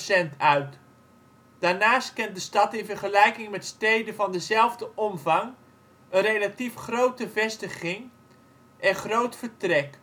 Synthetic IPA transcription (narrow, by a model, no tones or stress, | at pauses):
sɛntœɥt | d̥aːɹnaːst̚kɛnt̚dəstɑtɪnvəɹχəlɛjkɪŋmɛtstejdənvɑndəzɛlˠvdəʔɔmvɑŋ | ənrejlatifχrowtəvɛstəχɪŋ | ʔɛnχrowtfəɹtrɛk